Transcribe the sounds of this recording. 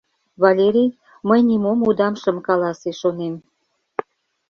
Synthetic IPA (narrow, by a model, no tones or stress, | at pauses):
βɑlʲeɾʲij | məjnʲimomud̪ɑmʃə̆mkɑlɑseʃonem